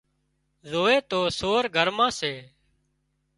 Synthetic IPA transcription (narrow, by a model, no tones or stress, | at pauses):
zoːeːt̪oːsoːɾɡʱəɾmãːseː